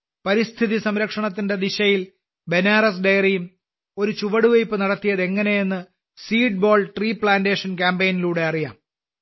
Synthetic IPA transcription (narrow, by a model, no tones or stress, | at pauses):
pɐɾist̪ʰiðisɐmɾɐkʂɐɳɐt̪ːinde̞d̪iɕɐjil | be̞naːrɐs̬ɖejrijum | o̞ɾut͡ɕuʋɐɽuʋɐjpːɨnɐɽɐt̪ːijɐðe̞ŋːɐne̞jenːɨ | siːɖ̚bo̞ːlʈriːpɭaːndeːʂɐnkaːmbejniluːɽe̞ɐrija̰ːm